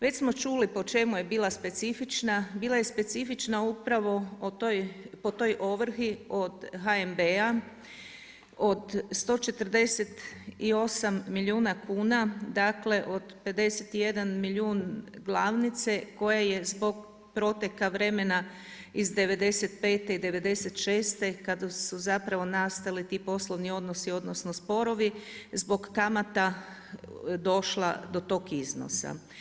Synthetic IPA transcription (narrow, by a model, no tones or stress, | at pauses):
ʋe̞t͡ɕsmo̞t͡ʃulipo̞t͡ʃe̞muje̞biːlˠaspe̞t̪sifit͡ʃnabiːlaje̞spe̞t̪sifit͡ʃnaupɾaʋo̞tojpo̞t̪o̞jʔo̞ʋɾ̩xio̞d̪ɦaembea | o̞d̪st̪o̞t͡ʃe̞t̪r̩d̪e̞se̞t̪io̞samːilʲjiuːnakʰuːnad̪akle̞ʔo̞d̪pe̞d̪e̞set̪ije̞d̪anmiʎʲuːnɡlˠaʋnit̪se̞ko̞jaje̞zbo̞ɡ | pɾo̞t̪ekaʋɾe̞me̞na | izd̪e̞ʋe̞d̪e̞set̪pe̞ːt̪eid̪e̞ʋe̞d̪e̞set̪ʃe̞ːst̪e̞kad̪asuzapɾaʋo̞nast̪alit̪iːpo̞slˠo̞ʋnio̞d̪no̞sio̞d̪no̞snospo̞ɾo̞ʋizbo̞ɡːamat̪a | d̪o̞ʃlˠa̰d̪o̞t̪o̞kizno̰sa̰